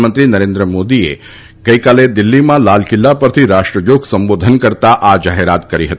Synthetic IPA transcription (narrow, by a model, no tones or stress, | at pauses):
mənt̪ɾinɐɾend̪ɾəmoːd̪iḛ | ɡəjkaled̪ilːimãlalkilːapəɾt̪ʰiɾaʂʈɾəjoɡsəmboːd̪ʱənkəɾt̪aʔad͡ʒaɦeɾat̪kəɾiɦət̪i